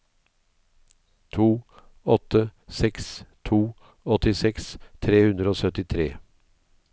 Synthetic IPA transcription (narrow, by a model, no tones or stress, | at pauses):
t̪ʰuː | ɔt̪əsɛkst̪ʰuː | ɔt̪ɪsɛkst̪ʰɾeːhʉnɾəoːsœt̪ɪt̪ʰɾḛː